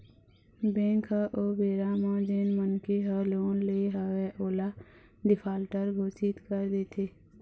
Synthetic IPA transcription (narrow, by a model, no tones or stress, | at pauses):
bẽːŋkʰəʔoːbeːɾaːmãːd͡ʒeːnmənkeɦəloːnleɦəweʔoːla | d̪ɪpʰaːlʈəɾɡʱoːsɪt̪kəɾd̪eːt̪ʰeː